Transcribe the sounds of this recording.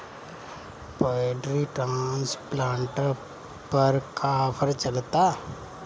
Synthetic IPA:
pɔɖɾiʈəmnsplaːɳʈə | pəɾkʰapʰəɾt͡ʃɐlt̪a

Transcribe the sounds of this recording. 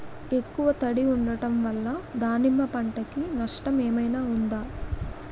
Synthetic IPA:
e̞kːuʋɐt̪ɐɽiuɳɖɐʈɐmʋɐlːɐd̪aːnimːɐpɐɳʈɐkinɐʂʈɐmeːmɐjnaːund̪aː

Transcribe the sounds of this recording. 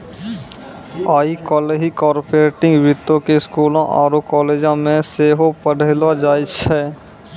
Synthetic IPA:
aːikɔːleːd͡ʒikɔːɾpoɾeːʈɪ̃ŋɡʋɾɪt̪ːõkeskuːlãʔa̰ːɾokɔːleːd͡ʒãmẽseːɦopəɽ̤eːlad͡ʒaːjt͡ʃʰɛː

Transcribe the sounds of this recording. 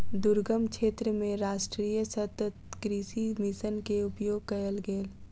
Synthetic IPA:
d̪ʊɾɡəmkʰeːt̪ɾəmẽɾaːʃʈɾiːjəsət̪ət̪kɾiʃimɪsənkeʊpjoːɡ̚kɐjəlɡeːl

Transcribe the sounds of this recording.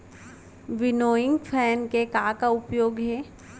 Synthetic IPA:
ʋɪnoːɪ̃ŋɡpʰɛːnkekaːkaʊpjoːɡɦɛː

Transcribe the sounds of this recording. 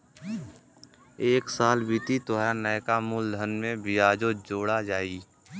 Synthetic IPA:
eːksaːlbit̪it̪oɦanəːkamuld̪ʱənmẽbɪjaːd͡ʒod͡ʒoːɽad͡ʒaːiː

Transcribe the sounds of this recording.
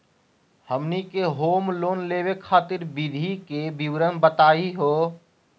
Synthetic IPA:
həmnikeɦoːmloːnleːbekʰaːt̪ɪɾbid̪ʱikebiwɾənbət̪aːiɦo

